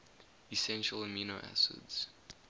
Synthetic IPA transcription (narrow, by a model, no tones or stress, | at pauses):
isɛ̃nʃələmjunoʔæ̰sɪ̰dz̥